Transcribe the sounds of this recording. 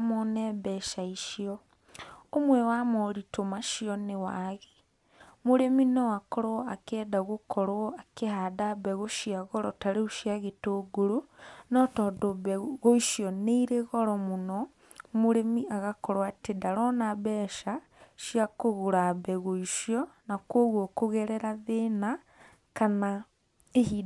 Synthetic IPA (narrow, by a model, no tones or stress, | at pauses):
mɔnɛbɛʃaiʃiɔ | omwɛwamɔɾitomaʃiɔnewaɣe | muɾeminɔakɔɾɔakɛːdaɣokʰɔɾɔakehadabɛɣoʃiaɣɔɾɔtaɾeuʃiaɣetoɡuɾunɔtɔdobɛɣoiʃjɔneiɾeɣɔɾɔmonɔ | moɾemiaɣakɔɾwatedaɾɔnabɛːʃa | ʃjakoɣoɾabɛɣoiʃiɔnakwoɣwɔkoɣɛɾɛɾaðena | kana | eɦi